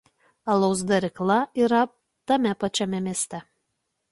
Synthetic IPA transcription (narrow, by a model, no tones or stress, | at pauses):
ɐlˠɔʊs̬d̪ɐɾʲɪklˠɐiːɾɐ | t̪ɐmʲɛpɐt͡ʃʲɛmʲɛmʲiɛsʲt̪ʲɛ